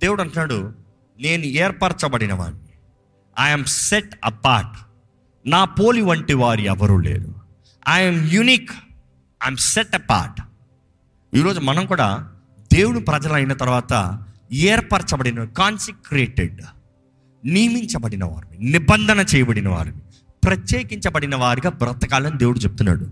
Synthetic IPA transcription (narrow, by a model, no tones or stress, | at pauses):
d̪e̞ːwuɽɐɳʈunaːɽu | ne̞ːnuɛːɾpaːɾt͡ʃɐbɐɽinɐʋa̰ːnːi | ajɐmseʈɐ̰paːɾʈ | naːpo̞ːliʋɐɳʈiʋaːɾiɛʋɐɾulḛːd̪u | ajɐmjuniːk | ajmseʈɐpa̰ːɾʈ | iːɾo̞ːd͡ʒumɐnɐmkuːɽa̰ː | d̪e̞ːwuɽupɾɐd͡ʒɐlɐjinɐt̪ɐɾuʋaːt̪ɐ̰ɛːɾpɐɾt͡ʃɐbɐɽinɐʋaːɾkaːnsikɾeːʈḛɖ | nimiɲt͡ʃɐbɐɽinɐʋa̰ːɾuninibɐnd̪ʱɐnɐt͡ʃɛːjɐbɐɽinɐʋa̰ːɾuni | pɾɐt͡ʃjeːkiɲt͡ʃɐbɐɽinɐʋaːɾiɡaːbɾɐt̪ɐkaːlɐnid̪eːwuɽut͡ʃepu̥t̪unːa̰ːɽu